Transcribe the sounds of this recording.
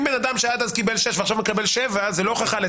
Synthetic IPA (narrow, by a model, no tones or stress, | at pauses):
mbenad̪amʃead̪azkibelʃeʃveaχʃavmekabelʃevazelo̞χaχale